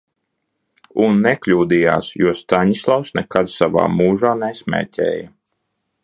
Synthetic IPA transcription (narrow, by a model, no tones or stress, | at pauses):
unːɛklʲuːd̪ija̰ːsjuɔst̪aɲislˠawsnɛkad̪sava̰ːmuːʒaːnɛsmʲɛ̰ːcʲɛ̰ːjɐ